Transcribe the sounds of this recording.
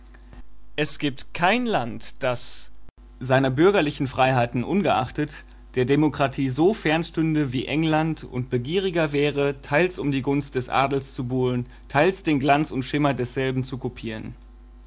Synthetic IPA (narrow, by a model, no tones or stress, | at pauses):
ʔɛsɡ̥iːp̚tkʰaɪnlantd̥as | zaɪnɐbʏɐɡɐlɪçn̩fʁ̥aɪɦaɪtn̩ʔʊnɡəʔa̰χtət | d̥eːɐdemokʁ̥atʰiːzofɛɐnʃtʏndəviːʔɛŋlantʊ̰ntb̥əɡiːʁ̞ɪɡɐvɛːʁ̞ətʰaɪlsʊmdiːɡʊnst̚d̥ɛsʔa̰ːdl̩st͡subuːlən | tʰaɪlsd̥eːnɡlant͡sʊntʃɪmɐdɛsz̥ɛlbm̩t͡sukʰopʰiːʁən